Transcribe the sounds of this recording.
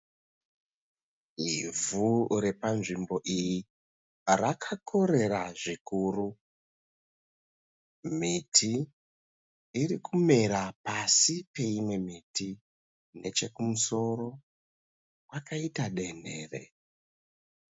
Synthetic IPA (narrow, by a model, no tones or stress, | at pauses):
ivurepanʐimbo̞ʔiji | rakʰakʰo̞ɾe̞ɾaʐikuru | mitʰi | rikume̞ɾapasipe̞imwe̞miti | ne̞t͡ʃe̞kumuso̞ro̞ | wakaitaɗe̞ne̞ːrḛ